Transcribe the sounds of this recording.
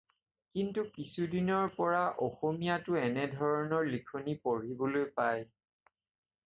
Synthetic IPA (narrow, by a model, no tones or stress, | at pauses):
kintukisudinɔɹpɔɹaʔɔxomijatʊɛnɛdʱɔɹɔnɔɹlikʰonipoɹibolojpaj